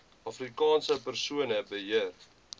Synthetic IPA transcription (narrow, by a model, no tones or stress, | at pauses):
ɐfrikɑːnsəpərsuənəbəɦiər